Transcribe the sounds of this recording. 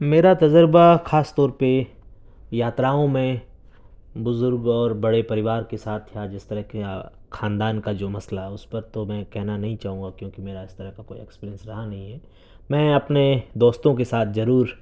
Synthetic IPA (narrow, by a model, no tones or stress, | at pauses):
meːɾat̪ɐd͡ʒəɾbaxaːst̪ɔːɾpe | jaːt̪ɾaːõmẽ | bʊzʊɾɡɔːɾbɐɽepɐɾɪʋaːɾkesaːt̪ʰjaːd͡ʒɪst̪əɾəɦkekʰãːnd̪aːnkad͡ʒoːmɐslaɦɛʊspɐɾt̪omɛ̃kɛɦnanɐɦĩt͡ʃaːɦũːŋɡakjõːkimeːɾaɪst̪ɐɾəɦkakoːḭḛkspiːɾiənsɾɐɦanɐɦĩɦɛː | mɛ̃ːɐpned̪oːst̪õk̬esaːt̪ʰzɐɾuːɾ